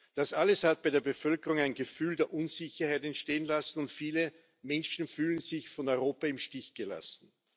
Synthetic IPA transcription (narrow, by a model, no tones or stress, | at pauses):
d̥asʔaləshat̚bæɪɾeːɐbəfœlkəʁʊŋæɪnɡəfyːldeːɐʔʊnzɪçɐhaæɪtɛntʃteːənlasn̩ʊntfiːlə | mɛnʃn̩fyːlənzɪçfɔnɔʏʁoːpɐɪmʃtɪçɡ̥əla̰sn̩